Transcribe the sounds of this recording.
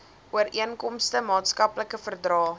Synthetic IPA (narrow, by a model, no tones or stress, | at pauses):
uəriənkɔmstəmɑːtskɐpləkəfərdrɑː